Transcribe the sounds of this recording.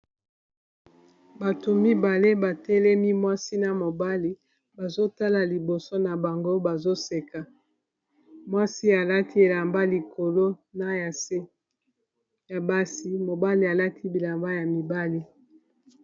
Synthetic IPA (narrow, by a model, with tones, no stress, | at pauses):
ba˨to˨mi˦ba˨le˦ba˨tɛ˦lɛ˦mi˦mwa˦si˦na˨mo˨ba˦li˦ | ba˨zo˦ta˦la˨li˨bo˨so˦na˨ba˨ŋɡo˦ba˨zo˦se˨ka˨ | mwa˦si˦a˨la˦ti˦e˨la˨mba˦li˨ko˨lo˦na˨ja˨se˦ | ja˨ba˦si˦mo˨ba˦li˨a˨la˦tʰi˦bi˨la˨mba˦ja˨mi˨ba˦li˦